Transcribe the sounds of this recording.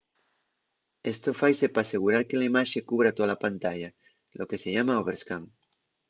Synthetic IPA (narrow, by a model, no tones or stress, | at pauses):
est̪ofajsepaːseɣ̞uɾaɾkelaimaʃekuβ̞ɾat̪oðalapant̪aʎa | lʔokeseʎamaoβeɾskaŋ